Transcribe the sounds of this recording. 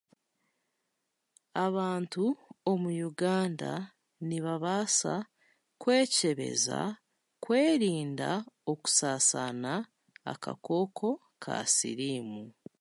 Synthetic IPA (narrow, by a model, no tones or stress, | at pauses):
aβaːntuomujuɡaːnda̰ | niβaβaːsa | kwe̞ːce̞βe̞̰za̰ | kwe̞ːɾiːndao̞ku̥saːsana | a̰ka̰ko̞ːkʰo̞ | kʰa̰sḭɾiːmu